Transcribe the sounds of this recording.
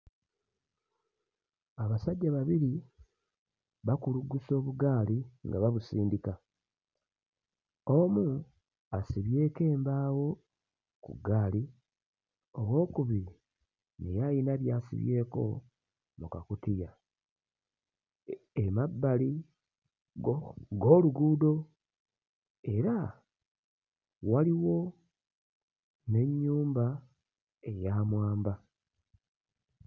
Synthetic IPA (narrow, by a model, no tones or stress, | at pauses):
aβasaɟːaβaβiɾi | βakuluɡuso̞ːβuɡaːliŋɡaβaβusiːndika | o̞mu | asiβje̞ːke̞ːmbaːwo̞ | kṵɡaːli | o̞βwo̞ːkuβi | nḛjajinaβjaːsḭβje̞ːko̞̰ | mukakutija | emabːali | ɡoːluɡuːdo̞ | e̞ɾa | waliwo̞ | ne̞ɲːuːmba | e̞jaːmwaːmba